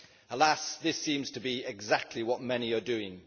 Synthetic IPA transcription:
əlasðɪsĩːmz̥tʰəbiɪɡzak̚tʰˡliwɒʔ̚mɛniədʉːɪ̃ŋ

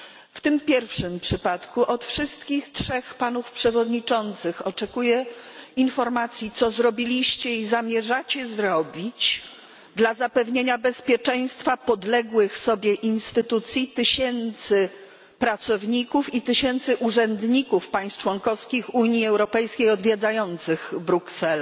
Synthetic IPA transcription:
ft̪ɘmpʲjɛɾfʂɘmpʂɘpat̪kuʔɔt̪fʂɘst̪kʲixtʂɛxpanufpʂɛvɔd̪ɲit͡ʂɔnt̪sɘxɔt͡ʂɛkujɛinfɔɾmat̪sʲjit̪sɔzɾɔbʲilʲiɕt͡ɕɛizamʲjɛʐat͡ɕɛzɾɔbʲit͡ɕ | d̪lazapɛvɲeɲabɛspʲjɛt͡ʂɛ̃j̃st̪fapɔd̪lɛɡwɘxsɔbʲjɛʔinst̪ɘt̪ut̪sʲjit̪ɘɕɛnt̪sɘ | pɾat̪sɔvɲikufit̪ɘɕɛnt̪sɘʔuʐɛnd̪ɲikufpaj̃st̪̚t͡ʂwɔŋkɔfskʲixuɲiɛwɾɔpɛjskʲejɔd̪vʲjed̪zajɔnt̪sɘɣbɾuksɛl

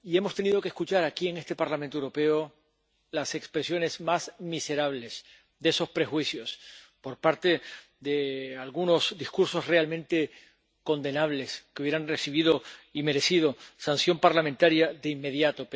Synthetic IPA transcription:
ie̞mo̞st̪e̞nið̞o̞keskut͡ʃaɾakie̞ŋe̞st̪e̞paɾlamẽnt̪oewɾope̞o | lase̞kspɾesjo̞ne̞zmasmise̞ɾaβ̞le̞s | ðe̞so̞spɾe̞xwisjo̞s | po̞ɾpaɾt̪e̞ | d̪e̞alɣuno̞zd̪iskuɾso̞sre̞almẽnt̪e̞ | ko̞nd̪e̞naβ̞le̞skeuβeɾanresiβ̞iðo̞ime̞ɾe̞sið̞o̞sansjo̞mpaɾlamẽnt̪aɾjaðe̞imːe̞ðjat̪o̞

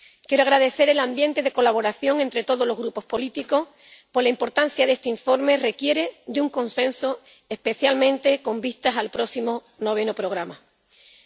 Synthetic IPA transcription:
kje̞ɾoaɣɾaðe̞θe̞ɾe̞lambjẽ̞nt̪e̞ðe̞ko̞laβo̞ɾaθjo̞ŋe̞nt̪ɾe̞t̪o̞ð̞o̞lo̞ɦɣɾupo̞hpo̞lit̪iko̞h | po̞ɾlaimpo̞ɾt̪an̟θjaðe̞st̪eiɱfo̞ɾme̞re̞kje̞ɾe̞d̪euŋkõ̞nsẽ̞nso | ehpe̞θjalmẽ̞nt̪e̞ko̞mbist̪asalpɾo̞simo | no̞β̞e̞nopɾo̞ɣ̞ɾama

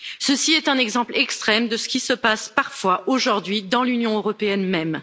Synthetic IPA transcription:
səsiɛt̪ɛ̃nɛɡzɑ̃plɛkst̪χɛmd̪əsə̥kʲisəpaspaʁfwaʔoʒuʁd̪ɥid̪ɑ̃lynjɔ̃øʁɔpeɛnmɛm

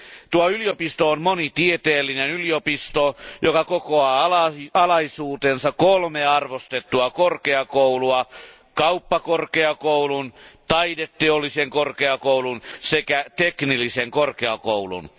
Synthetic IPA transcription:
t̪uɑyliopist̪oonmonit̪iet̪eːlːinenyliopist̪ojokɑkokoɑːɑlɑɑlɑisuːt̪eːnsɑkkolmeɑrʋost̪et̪ːuɑkorkeɑkowluɑ | kɑupːɑkorkeɑkoulunt̪ɑidet̪ːeolːiseŋkorkeɑkouwlunsekæt̪eknilːiseŋkorkeɑko̰ulṵn

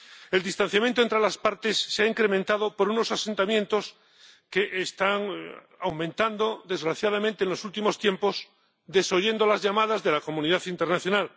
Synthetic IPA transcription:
e̞ld̪ist̪ãn̟θjamjent̪oent̪ɾelaspaɾt̪esːeaiŋkɾemẽnt̪aðo̞po̞ɾuno̞sase̞nt̪amjẽ̞nt̪o̞s | keʔest̪aŋ | a̰wmẽnt̪and̪oðe̞zɣɾaθjað̞amẽnt̪enlo̞sult̪imo̞st̪je̞mpo̞s | d̪e̞so̞ʝe̞nd̪olazʝamaðazðe̞lako̞mũniðaθint̪e̞ɾnaθjo̞nal

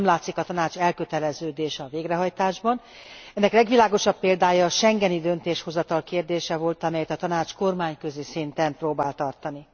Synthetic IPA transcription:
mlaːt̪sikɒt̪ɒnaːt͡ʃɛlkøt̪ɛlɛzøːd̪eːʃɒveːɡrɛɦɒjt̪aːʒbɒn | ɛnːɛklɛɡʋilaːɡo̞ʃɒpːeːld̪aːjɒːʃɛŋɡɛnid̪ønt̪eːʃho̞zɒt̪ɒlkeːrd̪eːʃɛvo̞lt̪ɒmɛjɛt̪ɒt̪ɒnaːt͡ʃko̞rmaːɲkø̞zeːsint̪ɛmproːbaːlt̪ɒrt̪ɒni

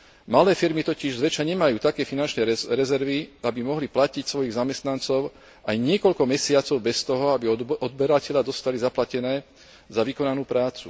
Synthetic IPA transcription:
malɛːfiɾmit̪ɔciʒzʋɛt͡ʃaɲɛmajuːt̪akɛːfinant͡ʃnɛɾɛzɛɾʋiabimɔɦliplacicsʋɔjiɣzamɛst̪nant͡sɔʊ | ajɲɪɛkɔʎkɔmɛsɪat͡sɔʊbɛst̪ɔɦɔabiɔd̪̚bɛɾacɛʎad̪ɔst̪alizaplacɛnɛː | zaʋikɔnanuːpɾaːt͡su

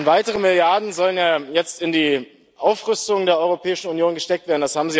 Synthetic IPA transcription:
vaɪtəʁ̞əmɪljaɐdn̩zɔlənjaːjɛt͡stɪndiː | ʔaʊfʁʏstʊŋdeːɐʔɔʏʁopʰɛːɪʃn̩unjoːnɡəʃtɛk̚tv̥eːɐdn̩dashaːbm̩zi

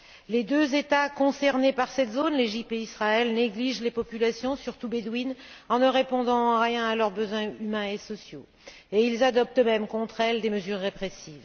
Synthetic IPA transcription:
led̪øzet̪akɔ̃sɛʁnepaʁsɛt̪zonleʒip̚t̪eisχaɛlneɡliʒlepɔpylasjɔ̃syʁt̪ubed̪winɑ̃nəʁepɔ̃d̪ɑ̃ʁjɛ̃alœʁbəzwɛ̃ymɛ̃esɔsjo | eilzad̪ɔp̚t̪mɛmkɔ̃t̪χɛld̪eməzyʁːepχesiːv

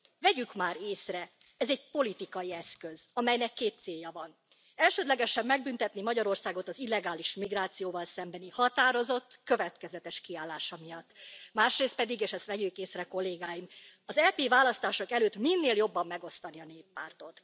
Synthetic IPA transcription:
vɛɟykmaːɾeːsrɛ | ɛzɛɟpo̞lit̪ikɒjiɛskø̞zɒmɛjnɛkːeːt̪seːjːɒvɒn | ɛlʃøːd̪lɛɡɛʃɛmːɛɡ̚bynt̪ɛt̪nimɒɟɒɾo̞rsaːɡo̞t̪ɒzilːɛɡaːliʃmiɡraːt̪sijoːvɒlsɛmbɛnihɒt̪aːɾo̞zo̞t̪ːkø̞vɛt̪kɛzɛt̪ɛʃkiaːlːaːʃɒmijɒt̪ːmaːʃreːst̪pɛd̪iɡeːʃɛst̪ʋɛɟykeːsrɛko̞lːeːɡaːjimɒzɛpeːvaːlɒst̪aːʃo̞kɛløːt̪minːeːljo̞bːɒmːɛɡo̞st̪ɒniɒneːpːaːrt̪o̞t̪

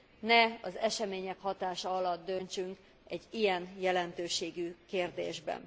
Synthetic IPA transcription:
nɛɒzɛʃɛmeːɲɛkhɒt̪aːʃɒɒlɒd̪d̪ø̞nt͡ʃyŋk | ɛɟːijɛnjɛlɛnt̪øːʃeːɡykeːrd̪eːʒbɛ̰n

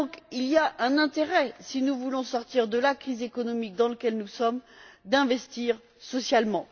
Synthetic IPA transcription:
d̪ɔ̃kilijaʔɛ̃nɛ̃t̪eʁɛsinuvulɔ̃sɔʁt̪iʁd̪əlakχizekɔnɔmik̚d̪ɑ̃ləkʲɛlnusɔmd̪ɛ̃vɛst̪iʁ | sɔsjalmɑ̃

